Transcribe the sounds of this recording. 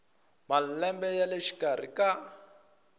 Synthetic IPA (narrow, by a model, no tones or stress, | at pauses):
malɛmbɛjaleʃi̥kʼar̤ḭka